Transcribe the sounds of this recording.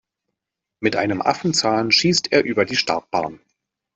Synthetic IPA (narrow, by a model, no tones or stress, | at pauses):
mɪtʔa̰ɪnəmʔa̰fn̩t͡saːnʃiːstʔeːɐʔyːbɐdiːʃtaɐk̚b̥aːɐn